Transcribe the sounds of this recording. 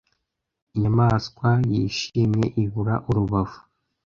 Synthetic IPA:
iɲamaːskwajiːʃimɲe̞ʔiβuɾa̰ʔuɾuβavu̥

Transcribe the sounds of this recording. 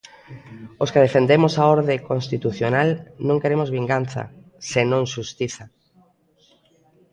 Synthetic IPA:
oskeð̞efend̪emosaoɾðekonst̪it̪uθjonalnõŋkeɾemozβiŋɡanθa̰ | senõŋʃust̪iθa

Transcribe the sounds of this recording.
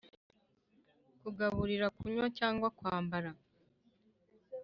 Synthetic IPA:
kuɡaβuɾiɾakuɲwacaːŋɡwakwaːmbaɾa

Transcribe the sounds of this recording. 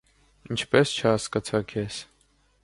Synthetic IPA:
int͡ʃʰpɛst͡ʃʰəɑskɑt͡sʰɑkʰɛs

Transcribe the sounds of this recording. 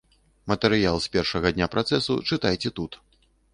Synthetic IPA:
mɐt̪ɛɾɨjalˠsʲpʲɛrʂɐɣɐd̪ʲnʲapɾʔat̪sɛsṵt͡ʂɨt̪ajt͡sʲɛt̪ut̪

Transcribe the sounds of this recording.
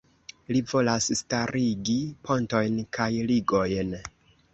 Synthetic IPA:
livo̞lasstaɾiɡipʰo̞nto̞jnkʰajliɡo̞jn

